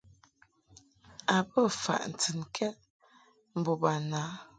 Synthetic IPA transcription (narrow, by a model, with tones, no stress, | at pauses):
a˨bə˦˨fa̰˨ʔn̩˨tɨ˨nkʰɛ˦t̚ | m̩˨bo˨ba˨na˨˦